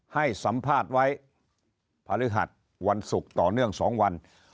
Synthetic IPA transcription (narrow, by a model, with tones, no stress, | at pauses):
ha˥˩jsa˩˦mpʰaː˥˩t̪̚wa˦˥j | pʰaː˧lɯ˦˥ɦa̰˨˩t̪̚ | wa˧nsu˨˩k̚t̪ɔː˨˩nɯ˥˩əŋsɔː˩˦ŋwa˧n